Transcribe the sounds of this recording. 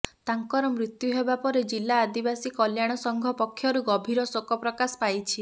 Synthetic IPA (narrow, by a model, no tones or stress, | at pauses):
t̪aŋkɔɾɔmɾit̪juɦebapɔɾed͡ʒilːaːd̪ibasikɔljaɽ̃ɔsɔŋɡʱɔpɔkʰːjɔɾuɡɔbʱiɾɔsokɔpɾɔkasɔ̥pajt͡ʃʰi